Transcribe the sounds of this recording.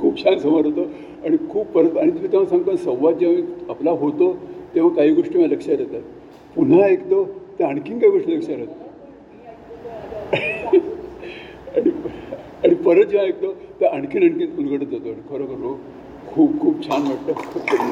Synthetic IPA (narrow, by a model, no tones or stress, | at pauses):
kʰuːb̚t͡ɕʰansəmaɾɦot̪o | aɽ̃ikʰuːbpəɾət̪aɽ̃it̪um̤iːt̪eʋ̤asãŋɡ̚t̪ənsə̃wʋad̪̚d͡ʑeĩaplaɦot̪ot̪ẽʋ̤akaɦiːɡoʂʈimaləkʂaɾet̪a | pun̤ãekt̪ot̪eəɳkʰiŋkaɦiɡoʂʈiləkʂaɾet̪ːə | aɽ̃i | aɽipəɾət̪̚d͡ʑeʋ̤ãek̚t̪ot̪eʔəɳkʰiːnəɳkinulɡəɽət̪ot̪oaɽikʰəɾəkəɾo | kʰuːbkʰuːb̚t͡ɕʰanʋeʈt̪əkʰupkəɾa